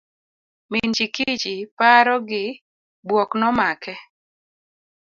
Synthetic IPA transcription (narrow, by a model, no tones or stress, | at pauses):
mind͡ʒikit͡ʃipaɾɔɡɪ | bwɔknɔmakɛ